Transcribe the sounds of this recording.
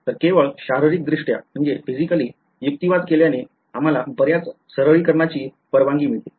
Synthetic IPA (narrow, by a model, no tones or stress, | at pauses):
t̪əɾkeʋəɭɕaɦɾiɾik̚d̪ɾiʂʈja̰m̤əɳd͡zefid͡ʑikəliː | juk̚t̪iʋad̪keljane | am̤alabəɾjat͡ssəɾəɭiːkəɾɳat͡ɕiː | pəɾʋãŋɡiːm̤iɭt̪i